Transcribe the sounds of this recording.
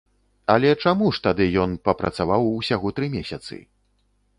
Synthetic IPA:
ɐlʲɛt͡ʂamuʂt̪ad̪ɨjɔnpɐpɾɐ̰t̪savawusʲaɣɔt̪ɾɨmʲesʲɐt̪sɨ̰

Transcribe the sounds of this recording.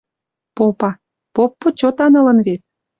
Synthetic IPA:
popɑ | popːot͡ɕot̪ɑnɤ̆lə̆nβet̪̚

